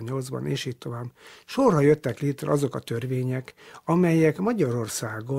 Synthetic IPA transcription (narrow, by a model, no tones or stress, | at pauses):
ɲɲo̞ld̪zbɒ̰neːʃiːt̪t̪ːo̞vaːbʃorɦɒjøt̪ːɛkleːt̪rɛ̰ɒzo̞kɒt̪ø̞rveːɲɛkɒmɛjɛkmɒɟɒɾo̞rsaːɡo